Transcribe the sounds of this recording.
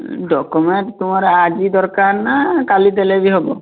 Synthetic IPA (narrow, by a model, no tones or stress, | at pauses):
ɖɔkumenʈt̪umaɾɛad͡ʒid̪ɔɾkaɾnakalid̪ɛlebiɦɔbɔ̰